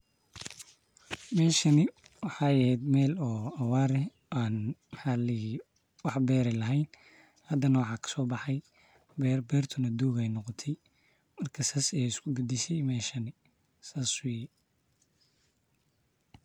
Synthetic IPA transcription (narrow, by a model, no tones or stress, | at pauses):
mɛːʃɐnɪwɑħɑːɛhɛjd̪mɛːlɔːɐwɑːɾɛ | ʔaːnmħɑːlɛhi | wɑħbɛːɾɛlɐɦɛjn | hɐd̪ɐnɐwɑħɑːkʰɐ̥sɔːbɑħɑj | bɛbɛːrt̪ʰʊnɐd̪uːɣɛjnɔqɔt̪ʰɛj | mɐrkʰɐsaːsɛːɪskʰʊɡud̪ɪsɛjmɛːʃɐnɪ | saːswi